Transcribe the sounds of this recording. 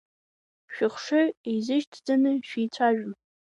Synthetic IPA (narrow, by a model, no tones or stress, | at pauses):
ʃᶣɪχʂɨezɨʃtʰd͡zanɨʃᶣijt͡ɕʷʰaʒᶣm